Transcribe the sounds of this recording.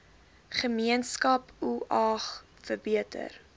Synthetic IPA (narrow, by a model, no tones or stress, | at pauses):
χəmiənskɐpuʔɑχ | fərbiətʰə̰r